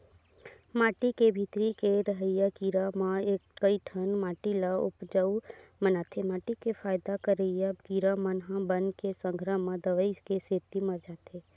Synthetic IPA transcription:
maːʈikebʱit̪ɾikeɾəɦəjakiːɾamãeːkkəiʈʰənmaːʈilaʊpd͡ʒəwmənaːt̪ʰemaːʈikefʰaːjd̪akəɾəjakiːɾamənɦãbənkesə̃ŋɡʱɾəmãd̪əʋəiskeseːt̪imɐɾd͡ʒaːt̪ʰeː

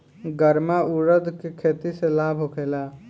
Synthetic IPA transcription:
ɡəɾmauɾəd̪ʱkekʰet̪iselabʱɦokʰela

